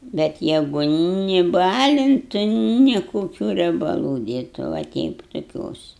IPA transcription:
bʲɛt ˈjæːɡʊ nʲɪ ˈbɑːlʲɪntʊ nʲɪ koːˈkʲuː rʲiɛbɐˈlˠuː ˈdʲeːtʊ ʋɐ ˈtʲɛɪp tʊˈkʲoːs

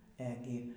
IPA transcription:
ˈæːɡʲɪ

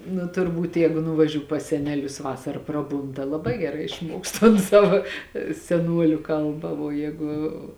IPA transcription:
nʊ tʊrˈbuːt ˈjɛɪɡʊ nʊʋɐˈʒʲuː pɐs ˈsʲæːnʲɛˌlʲʊs ˈʋɑːsɐrɐ ˈprɑːˌbuːn tɐ lˠɐˈbɐɪ ɡʲɛˈrɐɪ ɪʃˈmuɔks tɐn ˈsɑːʋɐ sʲɛˈnuɔlʲʊ ˈkɐlˠbɐ ʋuɔ ˈjɛːɡʊ

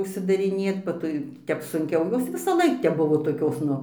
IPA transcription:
ʊʃʲsʲɪdɐrʲɪˈnʲeːt bɐ tɐɪ ˈtʲɛp sʊŋʲˈkʲɛʊ ˈjoːs ʋʲɪsɐˈlˠɐɪk tʲɛp ˈbʊʋoː toːˈkʲoːs ˈnʊ

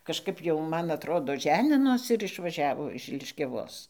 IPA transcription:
kɐʃˈkɐp jɛʊ ˈmɐn ɐtˈroːdoː ˈʒʲæːnʲɪnoːsʲɪ ɪr ɪʃʋɐˈʒʲæːʋoː ɪʃ lʲɪʃʲkʲɛˈʋoːs

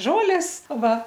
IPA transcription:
ˈʒoːlʲeːs ˈʋɐ

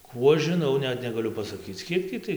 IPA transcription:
ˈkuː ɐʃ ʒʲɪˈnɐʊ ˈnʲɛt nʲɛɡɐˈlʲʊ pɐsɐˈkʲiːt͡s ˈkʲiɛk tʲiː tɐɪ

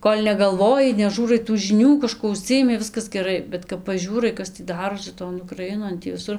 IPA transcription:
ˈkoːlʲ nʲɛɡɐlˠˈʋoːjɪ nʲɛˈʒʲuːrɐɪ tuː ʒʲɪˈnʲuː kɐˈʃkuɔ ʊˈʃʲsʲɪjɪmʲɪ ˈʋʲɪskɐs ɡʲɛˈrɐɪ bʲɛt kɐp pɐˈʒʲuːrɐɪ ˈkɐs tʲiː ˈdɑːroːsʲɪ toːn ʊkrɐˈɪnoːn ˈtʲiː ʋʲɪˈsʊr

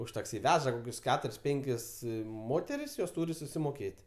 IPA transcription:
ʊʃ tɐkˈsʲɪ ˈʋʲæːʒɐ koːˈkʲʊs ˈkʲæːtʊrʲɪs ˈpʲɛŋʲkʲɪs ˈmoːtʲɛrʲɪs joːs ˈtuːrʲɪ sʊsʲɪmoːˈkʲeːtʲ

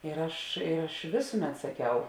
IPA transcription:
ɪr ˈɐʃ ˈɐʃ ˈʋʲeːsʊˌmʲɛt sɐˈkʲɛʊ

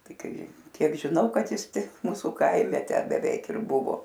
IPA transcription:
ˈtɐɪ ˈkɐɪ ˈkʲiɛk ʒʲɪˈnɐʊ kɐt ˈjɪs ˈtʲɪk ˈmuːsʊ ˈkɐɪmʲɛ ˈtʲæː bʲɛˈʋʲɛɪk ɪr ˈbʊʋoː

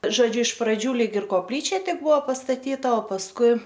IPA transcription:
ʒoːˈd͡ʒʲʊ ɪʃ prɐˈd͡ʒʲuː ˈlʲiːk ɪr koːpʲˈlʲiːt͡ʃʲɛ ˈtʲɪk ˈbʊʋoː pɐstɐˈtʲiːtɐ oː pɐsˈkʊɪ

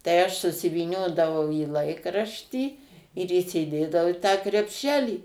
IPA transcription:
tɐɪ ˈɐʃ sʊsʲɪʋʲiːˈnʲoːdɐʋɐʊ iː ˈlˠɐɪkrɐʃʲtʲiː ɪr iːsʲɪˈdʲeːdɐʋɐʊ ɪ tɑː krʲɛpʲˈʃʲæːlʲiː

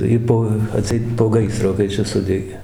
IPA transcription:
ˈjiː poː ɐˈtʲsʲɛɪt poː ˈɡɐɪsroː kɐɪ ˈt͡ʃʲɛ ˈsʊdʲɛɡʲeː

